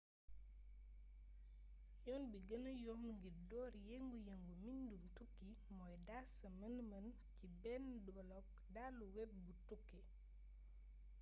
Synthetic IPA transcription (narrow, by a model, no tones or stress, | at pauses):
jɔnbiɡənəjɔmŋɡiɾdɔːɾjeŋɡujɐŋɡumindumtukːi | mɔjdasɐmɐnmɐn | cibɛndɔlɔk̚ | daluwɛp̚butukːi